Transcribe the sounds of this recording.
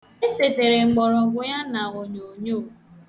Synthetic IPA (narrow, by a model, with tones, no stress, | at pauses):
e˦se˨te˨ɾe˨ŋ͡m̩˨ɡ͡bɔ˨ɾʊ˨ɡʷʊ˦ja˦na˨o˨ɲo˨ɲo˦˨